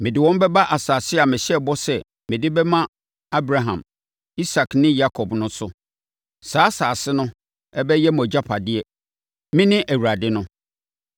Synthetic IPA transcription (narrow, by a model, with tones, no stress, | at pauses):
mɪ̃˨dɪ˦wɔ̃˦m˦bɛ˦ba˦ʔa˨saː˨sɪ˦a˨mɪ̃˨ɕɛ˦˨bɔ˦sɛ˨ | mɪ̃˨dɪ˦bɛ˦mã˦ | a˦bɾa˨ɦã̰˨m | i˦sa˨knɪ̃˦ja˦kʰɔ˨bnʊ̃˦sʊ˦ | saː˨˦saː˨sɪ˦nʊ̃˦ | ɛ˦bɛ˦jɛ˦mɔ˨d͡ʑa˦pʰa˨dɪ˦ɛ˨ | mɪ̃˦nɪ̃˦ʔæ˨wu˨ɾa˨dɪ˦nʊ̃˦